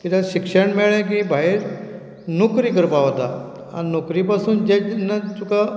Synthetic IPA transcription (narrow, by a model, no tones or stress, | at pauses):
kit̪aɕikʂəɳmeɭẽk̬ĩbʱaiɾ | nukɾiːkəɾpaɦot̪a̰ | a̰nokɾipasuːnd͡ʑenːat̪uka